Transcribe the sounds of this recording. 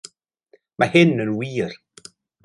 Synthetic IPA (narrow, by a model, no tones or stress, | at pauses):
mahɪnənwiːɾ